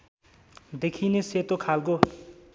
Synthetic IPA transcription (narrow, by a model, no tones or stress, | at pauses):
d̪ekʰineset̪okʰalko